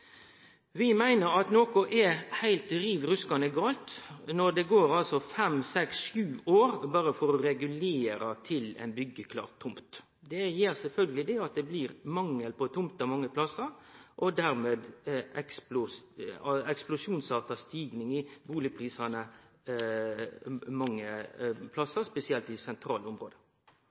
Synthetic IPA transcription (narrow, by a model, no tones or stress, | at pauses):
ʋɪmæɪnəɾɑt̪noːkʊʔɛhæɪlt̪̚ɾiːʋɾʉskɑnəɡɑːlt̪nɔd̪ɛɡoːɾɑlsɔfɛmsɛksʃʉːʔoːɾbɑːɾəfɔɾɔɾɛɡʉleːɾɑt̪ʰɪlɛ̰ɪnbʏɡːəkʰlɑ̰ːʁt̪ʰːʊmt̪ | d̪ɛjeːɾsɛlfœlɡəlɪd̪ɛɑt̪̚d̪ɛbliːɾmɑŋːəlpɔt̪ʰʊmt̪ɑmɑŋːəpʰlɑsəɾʔɔd̪æɾmeːd̪ɛksplʊs | ɛksplʊsjuːnsɑːt̪ɑst̪iːɡnɪŋɪbuːlɪpʰɾiːsɑnə | mɑŋːəpʰlɑsəɾspɛsɪɛlt̪ɪsɛnt̪ʰɾɑ̰ːlʊmɾoːd̪ə